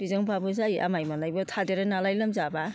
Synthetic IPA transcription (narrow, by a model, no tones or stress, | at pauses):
bizɯŋpʰabɯzajʔa̰majmanlajbɔtʰadeɾanalajlɯmzaba